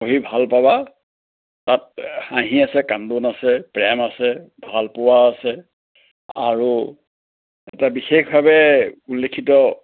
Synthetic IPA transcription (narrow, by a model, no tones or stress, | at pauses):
oɦibʱalpaba | tat̚aɦĩasɛkandonasɛpɹɛmasɛbʱalpowaːsɛ | a̰ɹu | ɛ̰tabixexbʱabɛulːekʰitɔ